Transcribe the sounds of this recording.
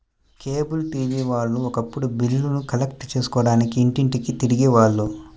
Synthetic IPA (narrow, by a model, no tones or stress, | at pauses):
ke̞ːbulʈiːʋiːʋaːɭnuɔkɐpːuɽubilːunukɐlekʈt͡ʃe̞ːsu̥kɔːɽaːnikiːɳʈiɳʈikit̪iɾiɡiʋaːɭːu